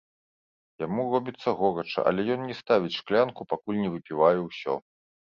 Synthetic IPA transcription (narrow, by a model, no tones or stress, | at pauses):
jamurɔbʲit̪sːɐɣɔɾɐt͡ʂɐ̰ʔɐ̰lʲɛjɔnnʲɛst̪avʲit͡sʲʂklʲankupakulʲnʲɛvɨpʲivajɛwsʲɔ̰